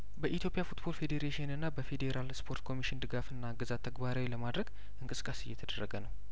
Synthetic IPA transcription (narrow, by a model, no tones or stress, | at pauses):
bəʔit̪jo̞pʼijafut̪bo̞lfe̞d̪eɾeʃiɨnɨnːabəfe̞d̪e̞ɾʔalspʰo̞ɾt̪kʰo̞miʃɪnd̪ɨɡafɨnːaɡɨzat̪ʰːəɡbaɾawiləmad̪ɾəɡ | ʔɨŋkʼɨskʼasɨjːɛt̪ʰəd̪ərːəɡənəw